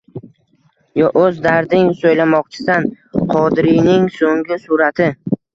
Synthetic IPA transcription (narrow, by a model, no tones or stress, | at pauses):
jɒʔɵzd̪aɾd̪ɪŋsojlamɒqt͡ʃʰɪ̥d̪an | qʰɒd̪ɾijnɪŋsoŋɡʲɪsʊɾat̪ʰɪ